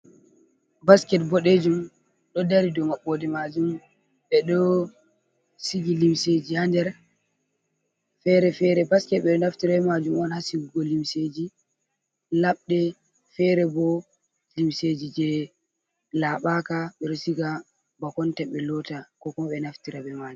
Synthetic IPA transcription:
baskɛt̚bɔɗed͡ʒum | ɗɔdaɾidɔmaɓːɔdɛmad͡ʒum | ɓɛɗɔ | siɡilimsed͡ʒihandɛɾ | fɛɾɛfɛɾɛbaskɛtɓɛɗɔnaftiɾɛɛmad͡ʒumɔnhasiɡuɡɔlimsed͡ʒi | laɓɗɛ | fɛɾɛbɔ | limsed͡ʒid͡ʒɛ | laɓakaɓɛɗɔsiɡa | bakɔntɛɓɛlɔtakɔkɔmɓɛnaftiɾaɓɛmad͡ʒum

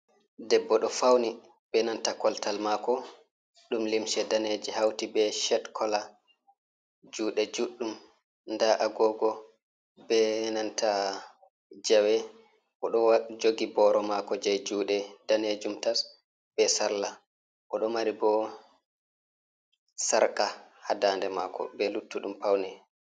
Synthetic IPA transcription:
dɛbːɔɗɔfawni | bɛnantakɔltalmakɔ | ɗumlimʃɛdaned͡ʒɛhawtibɛʃɛtkʰɔla | d͡ʒuːɗɛd͡ʒuɗːum | ndaʔaɡɔɡɔ | bɛnanta | d͡ʒawɛ | ʔɔɗɔd͡ʒoɡibɔɾɔmakɔd͡ʒajd͡ʒuːɗɛd̥aned͡ʒumtas | b̥ɛsalːa | ʔɔɗɔmaɾibɔ | saɾkahadandɛmakɔ̰bɛlutːuɗumpawnɛ

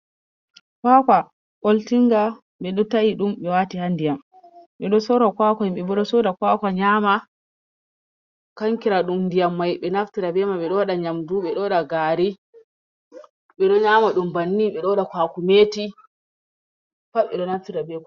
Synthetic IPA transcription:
kakwa | ʔoltiŋɡa | ɓɛɗɔtaiɗumɓɛwatihandijam | ɓɛɗɔsɔɾɔkwakamɓɛbɔɗɔsɔdakwaːkaɲama | kaŋkiɾaɗumndijamːajɓɛnaftiɾabɛmaɓɛɗɔwaɗaɲamduɓɛɗɔɗaɡaːɾi | ɓɛɗɔɲaːmaɗumbanːiɓɛɗɔɗakwakumeːti | paɓɛɗɔnaftiɾabɛ

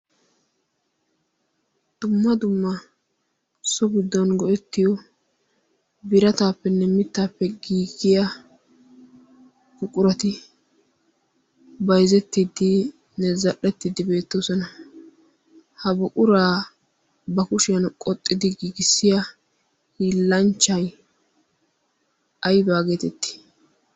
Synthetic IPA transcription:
d̪̥ʊmːɐd̪ʊmːɐ | sɔɡɪd̪ːɔnɡɔʔɛt̪ːɪjɔ | bɪɾɐt̪aːpːɛnːɛmɪt̪ːaːpːɛɡiːɡɪjɐ | ɡʊkʼʊɾɐt̪ɪ | bɐjzɛt̪ːɪd̪ɪ | nɛzɐɗːɛt̪ːɪd̪ɪbe̞ːt̪ːoːsɔnɐ | hɐbʊkʼʊɾaː | bɐkʊʃɪjɐnkʼɔt̪ʼːɪd̪ɪɡiːɡɪsːɪjɐ | hiːlːɐnt͡ʃːɐj | ɐjbaːɡeːt̪ɛt̪ːɪ̥

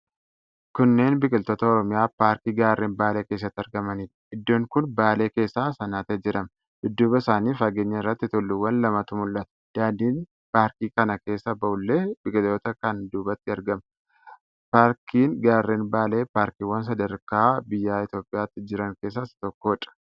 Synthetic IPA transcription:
kʊnːe̞ːnbɪkʼɪlt̪oːt̪ɐɔɾɔmɪjaːpaːɾkiːɡaːrːeːnbaːle̞ːkeːs̬ːɐt̪ːɐɾɡɐmɐniːᶑɐɪd̪ːoːŋkʊnbaːle̞ːke̞ːsːaːsɐnaːt̪ɛd͡ʒɪɾɐm | hɪd̪ːuːbɐɪsaːniːfɐɡeːɲːɐɪrːɐt̪ːɪt̪ʊlːuwːɐnlɐmɐt̪ʊmʊlːɐt̪ɐ̥d̪̥aːnd̪iːn | paːɾkiːkɐnɐke̞ːsːɐbɐʔʊlːe̞ːb̥ɪkʼɪlt̪oːt̪ɐkɐnd̪uːbɐt̪ːɪɐɾɡɐmɐ | paːɾkʰiːnɡaːrːeːnbaːle̞ːpaːɾkiːwɐns̬ɐd̪ɐɾkaːbɪjːaːɪt̪jo̞ːpʼːɪjaːt̪ːɪd͡ʒɪɾɐŋke̞ːs̬ːɐsɐ̥t̪ɔkːoːᶑʼɐ̥

